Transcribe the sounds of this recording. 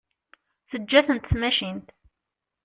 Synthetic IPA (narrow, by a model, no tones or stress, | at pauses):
θəd͡ʒːæθənt̪θmæʃint̪